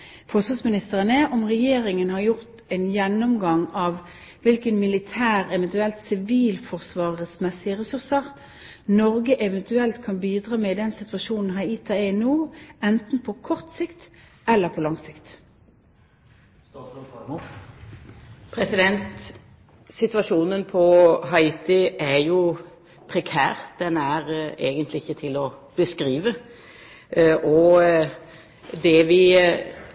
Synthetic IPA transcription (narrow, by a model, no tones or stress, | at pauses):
fɔsɑsmɪnɪst̪əʁənɛʔɔmʁɛjeːʁɪŋənhɑʁjʊʁt̪ɛɪnjɛnːɔmɡɑŋɑʋ | ʋɪlkənmɪlɪt̪ʰæːʁɛʋɛnt̪ʉɛlt̪sɪʋiːlfɔʁsʋɑːʁəsmɛsːɪəʁɛsʉʁsəʁ | nɔʁɡəʔɛʋɛnt̪ʉɛlt̪kʰɑnbiːd̪ʁɑːmɛːɪd̪ɛnsɪt̪ʋɑʃuːnn̩ɦæiːt̪ʰɑɛnuːɛnt̪n̩pʰɔkʰɔʁt̪sɪkt̪ | ɛlːəʁpʰolɑŋsɪkt̪ | pʰɾɛsɪd̪ɛnt̪ | sɪt̪ʋɑʂuːnənpʰɔɦɑɪːt̪ɪæjʊ | pʰʁɛkʰæ̰ːʁd̪̥ɛnæʁeːɡənt̪lɪɪçːət̪ʰɪlɔb̥əskʁiːʋə | ʔɔ | d̪ɛʋɪ